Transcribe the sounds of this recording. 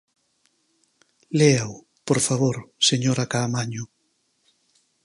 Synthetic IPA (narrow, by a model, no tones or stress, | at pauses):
leaw | poɾfaβoɾseɲoɾakaːmaɲʊ